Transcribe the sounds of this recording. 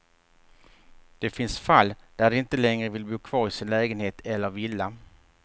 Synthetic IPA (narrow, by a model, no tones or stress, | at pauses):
d̪̥ɛfɪnsfalːd̪̥æɖɵɪnt̪əlɛŋɾəvɪlbuːkʰv̥ɑːɾɪsɪnlɛːɡənheːt̪ɛlːəɾvɪlːa